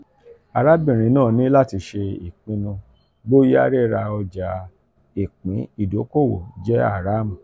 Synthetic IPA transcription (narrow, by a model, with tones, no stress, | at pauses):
a˨ɾa˦bĩ˦˨ɾ̃ĩ˨˦nãː˦˨nĩ˦la˦˨ti˧ʃe˧ḭ˨k͡pĩ˨˦nũ˧ | bo˦ja˦ɾe˦ɾa˧ɔ˧d͡ʒa˨˦ | i˨k͡pĩ˨˦i˦˨do˨˦ko˦˨wo̰˨d͡ʒɛ˦a̰˦˨ɾa˨˦m̩˨